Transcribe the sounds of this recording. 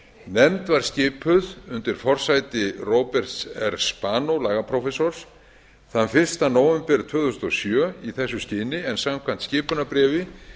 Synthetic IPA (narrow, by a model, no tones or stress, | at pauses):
nɛmt̪vaɾ̥scɪːpʰʏðʏnt̪ɪɾ̥fɔr̥saːjt̪ɪroːwpɛr̥t̪sɛɾspaːnowlaːɣapʰɾowfɛsoɾ̥s | θanfɪr̥st̪anoːwvɛmpɛɾt̪ʰvœːðʏst̪ɔsjœːiθɛsːʏscɪːnɪɛnsamkʰvan̥t̪scɪːpʏnapɾɛːvɪ